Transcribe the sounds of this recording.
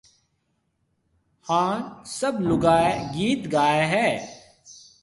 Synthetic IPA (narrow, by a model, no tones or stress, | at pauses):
hãːsəblʊɡaːeɡiːt̪ɡaːeɦɛː